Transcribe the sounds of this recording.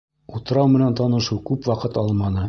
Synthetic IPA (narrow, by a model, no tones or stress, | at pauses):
ut̪ɤ̆ɾɑwmɘ̆nænt̪ɑnɤ̆ʃɤwkʉpwɑqɤt̪ɑlˠmɑnɤ